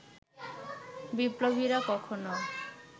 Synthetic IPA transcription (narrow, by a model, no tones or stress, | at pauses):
biplobiɾakɔkʰono